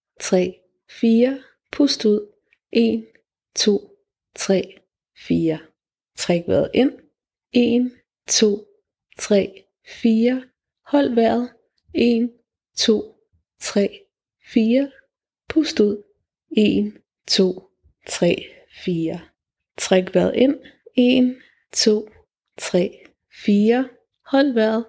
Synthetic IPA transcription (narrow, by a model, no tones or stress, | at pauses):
t͡sʰʁɛ̰ː | fiːɐ | pʰusd̥uð̰ˠ | ʔe̝n | t͡sʰo̝̰ː | t͡sʰʁɛ̰ː | fiːɐ | t͡sʰʁɛɡ̥ʋæ̰ɐð̩ˠʔe̝n̰ | e̝ːn | t͡sʰo̝̰ː | t͡sʰʁɛ̰ː | fiːɐ | hɒ̽l̰ʋæɐ̰ðˠ | e̝n | t͡sʰo̝̰ː | t͡sʰʁɛ̰ː | fiːɐ | pʰusd̥uð̰ˠ | e̝n | t͡sʰo̝̰ː | t͡sʰʁɛ̰ː | fiːɐ | t͡sʰʁaɡ̥ʋæɐ̰ðˠe̝n̰e̝n | t͡sʰo̝̰ː | t͡sʰʁɛ̰ː | fiːɐ | hɒ̽l̰ʋæɐ̰ð̞ˠ